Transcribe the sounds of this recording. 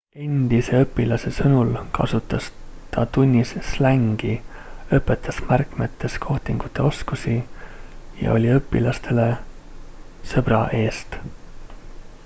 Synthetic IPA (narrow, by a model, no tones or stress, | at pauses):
e̞nʲd̪̥ise̞ɤpːˑilɑse̞sɤnulkʰɑ̰sut̪ːˑɑst̪ɑt̪unʲːisslæŋɡ̥iɤpːˑe̞t̪ːˑɑsmærkmet̪ːˑe̞skʰo̞ht̪iŋɡ̥ut̪ˑːe̞o̞skusi | jɑ̰o̞̰lʲiɤpːˑilɑst̪e̞le̞ | sɤb̥rɑʔe̞ːst̪